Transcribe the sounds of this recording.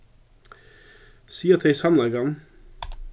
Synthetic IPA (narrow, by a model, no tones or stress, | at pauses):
siːət̪ʰeɪsɑnlɑɡɑn